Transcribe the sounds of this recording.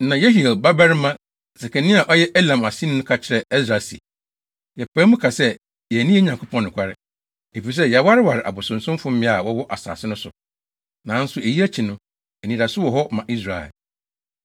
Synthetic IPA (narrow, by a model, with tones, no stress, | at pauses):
nã˨je˦ɦi˨ɛ˨lba˦bɛ˦ɾɪ˦mã˦ | sɛ˨kʰɛ˨nĩ˦a˨ʔɔ˦jɛ˦ʔɛ˦lã˨ma˨sĩ˦n˦nʊ̃˦kʰa˨t͡ɕʰɪ˦ɾɛ˨ɛ˦s̬ɾa˨si˨ | jɛ˨pʰɛ̃˦mʊ̃˦kʰa˨sɛ˦ | jɛ˨nĩ˦ɛ˦ɲã˨ŋkʰʊ˦pʰɔ̃˦nː˨ʊ̃˨kʷʰa˦ɾɪ̰˨ | e˨fi˨i˨s̬ɛ˦jɛ˨wa˦ɾɪ˦wa˨ɾɪ˨ʔa̰˨bʊ˨sʊ̃˨n̩˨sʊ̃˦m˦fʊ̃˦m̩˦mɪ̃˦a˨wɔ˦wɔ˦ʔa˨sa̰ː˨sɪ˦nʊ̃˦sʊ̰˨ | nã˨˦n̩˦sʊ˨e˨ji˦æ˦t͡ɕʰi˨nʊ̃˦ | ɛ˨nĩ˨ɾa˨sʊ˦wɔ˨ɦɔ˦mã˨ʔi˦sɾa˨ɛ̰˨l